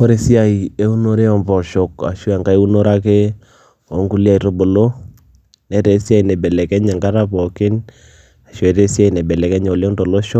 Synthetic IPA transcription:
o˦ɾe˦sja˦˨i˨e˦u˦no˦ɾɛ˦ɔ˨mpɔ˨ʃɔ˨ka̰˨ʃwa˨ŋɡa˦ɛ˦u˦no˦ɾa˦ke˦ | ɔ˨˦ŋɡu˦lja˦i˨to˦bo˨lo˦ | nɛ˦tɛ˨˦sja˦i˨nɛ˨bɛ˨lɛ˨kɛ˦ɲa˨ŋɡa˦ɾa˦pɔ˨kɪ˦n | a˨ʃwɛ˨te˦sja˦i˨nɛ˨bɛ˨lɛ˨kɛ˦ɲ˨ljɔ˦nto˨lo˦ʃɔ˦

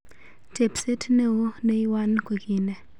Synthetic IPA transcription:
tʰe˨pse˦tʰne˦u˦ne˦i˦wa˦nkwe˨ki˨nɛ˨

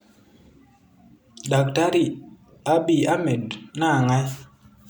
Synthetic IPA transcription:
da˨k̚ta˦ɾi˨ | a˦ɓi˨a˦mɛ˨dna˦˨ŋa˦j

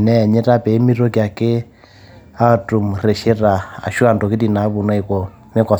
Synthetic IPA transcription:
nɛ˦˨ɲɛ˦ta˦pɛ˨i˦mi˦ɾɔ˦kja˨ke˦ | a˦˨tu˨m˨rɛ˨ʃe˦ra˨a̰˨ʃu˦a˨ndɔ˨ki˦ti˨na˨˦βu˨na˦i˨kɔ˨ | ne˦ka˨

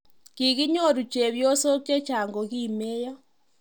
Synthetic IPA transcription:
ki˨kɪ˦ɲo˦˨ɾu˨t͡ʃe˨βjo˦so˦k̚t͡ʃe˦t͡ʃa˨ŋɡo˨ki˦˨me˦jɔ˦

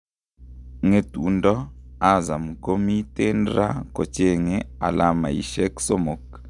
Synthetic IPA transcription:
ŋe˨tu˨ndɔ˦a˦za˨mko˦mi˦te˦ndɾa̰˦ko˨t͡ʃe˦˨ŋe˦a̰˨la˦ma̰˨ḭ˨ʃɛ˦kso˦mo˨k

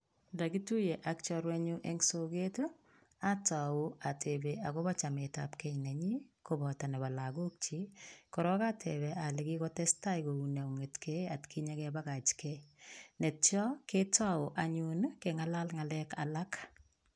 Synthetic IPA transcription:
nda˨ɡi˦tu˦je˨ʔak̚t͡ʃɔɾwe˦ɲu˦ʔeŋso˦ɡe˦to | a˦tɔ˨u˦a˨tʰebea˨kɔ˦ba˦t͡ʃa˨me˨ta̰pkɛ˦nɛ˨ɲi˦kobɔta˨nɛ˨βa˨laɡo˦k̚t͡ʃi˦kɔ˨ɾɔ˦katʰebe˨a˨lɪ˨ɡi˦kɔ˦tɛ˦sta˦iko˨una˨u˨ŋe˨tke˦a˨tkʰi˦ɲa˦kɛba˦ɡa˨t͡ʃkenɛ˨tt͡ʃɔ˦ke˦tɔ˦ʊ˨ʔa˨ɲu˦nkeŋa˦la˦lŋa˨lɛ˦ka̰la˦k

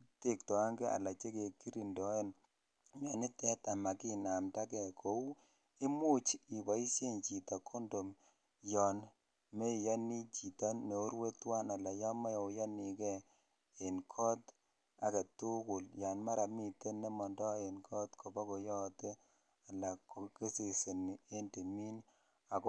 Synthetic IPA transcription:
te˦˨k̚tɔ˨a˦ŋɡɛ˦a̰˨la˨t͡ʃe˦ke˨ki˦ɾi˨ndɔ˨˦e˦n | jɔ˨nɪ˦tɛ˦ta˨ma˨ki˦na˨mta˦kɛ˨kʰo˨u˦ | i˦mu˦t͡ʃi˨ba˨i˦se˦nt͡ʃi˨ta˨kʰo˦ndo˨m | jɔ˨n | me˦˨jɔ˦ni˦t͡ʃi˨ta˦ne˨o˦ɾwe˦twa˦na˨la˨jɔ˦ma˦jɔ˨jɔ˦ni˨kɛ˦ | e˨nkʰɔ˦t | a˨ke˨tu˦kʊ˨lja˨nma˦ɾa˨mi˨te˦ne˦mɔ˨ndɔ˦e˨nkʰɔ˦tkʰo˨bɔ˦ko˨jɔ˦te˦ | a˨la˨ko˨˦ke˦se˨se˨ni˨e˦nde˨mi˦n | a˨k

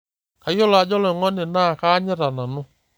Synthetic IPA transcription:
ka˨i˦ɔ˦la˨˦d͡ʒɔ˦lɔ˨ŋɔ˦nɪ˨na˦˨ka˦ɲɛ˦ɾa˨na˨nʊ˦

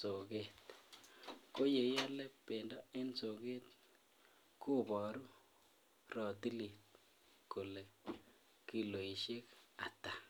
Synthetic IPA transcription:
so˨ke˦t | ko˦je˨ja˦lɛ˦pe˨ndɔ˦ɛ˦nso˨ɡe˦t̚ | ko˦bɔ˨ɾu˦ | ɾɔ˨ti˦li˨t̚ | ko˨le˨ | ki˨lo˨i˨ʃe˦ka̰˨ta˨

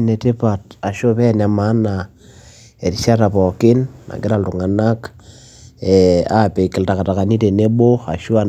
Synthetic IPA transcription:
ne˨te˦pa˨ta˨ʃo˦pɛ˦˨na˨ma˨˦na˨ | e˨ɾi˨ʃa˦ta˨pɔ˨kɪ˦nːa̰˨kɪ˦ɾa˦˨ltu˨ŋa˨na˦k | ɛa˦pe˨ki˨lta˨ka˨ta˨ka˨ni˦te˨ne˦bo˦a̰˨ʃo˦a˦

